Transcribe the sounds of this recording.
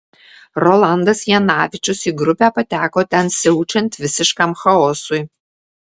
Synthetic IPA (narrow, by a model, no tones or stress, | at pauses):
rolˠaːnd̪ɐsjɛnaːvʲɪt͡ʃʊsiːɡrʊpʲæːpɐtʰʲæːkoːtʰʲɛnsɪut͡ʃʰɛntvʲɪsɪʃkɐmxɐosuj